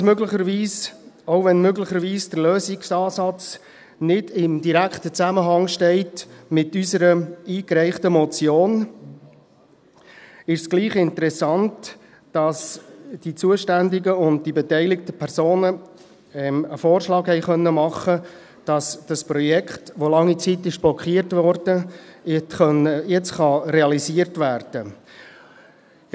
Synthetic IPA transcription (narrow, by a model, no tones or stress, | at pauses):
smøɡlɪχəɾʋiːsoʊvɛnmøɡlɪχəɾʋiːsd̥əɾløːsɪksɑːsɑt͡s | nɪd̥ɪmdiɾæktət͡sæməɦɑŋʃtɛɪtmɪtysəɾəiːkɾɛɪχtəmɔt͡sjoːn | ɪʃsɡ̥liːχɪntəɾɛsɑntː | d̥ɑsd̥it͡suəʃtændɪɡəʊnt̚dibetɛɪlɪktəpʰɛɾsoːnə | ɛməfoːrʃlɑːkhɛɪχœnːəmɑχə | d̥ɑsd̥ɑspɾɔjɛkχtʋolɑŋːit͡sitɪʃb̥lɔkχiːəɾtvɔrd̥ə | χœnəjɛt͡sχɑɾeɑliziːəɾtvæɾd̥ə